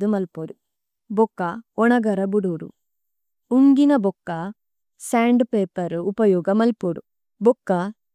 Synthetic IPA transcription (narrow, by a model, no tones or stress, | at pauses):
umɐlpoɽu | bɔkːɐɔnɐɡɐɾɐbuɽoːɽṵ | uŋɡinɐbɔkːɐ | saːɳɖpeːpɐɾupɐjɔːɡɐmɐlpoɽṵ | bɔkːɐ